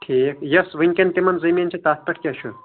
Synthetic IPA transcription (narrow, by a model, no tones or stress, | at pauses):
ʈʰiːkjɐsʋɨŋʲkʲɐnt̪imɐnzɐmʲint͡ʃʰit̪aːt̪̚pɐʈʰkʲaʃʰu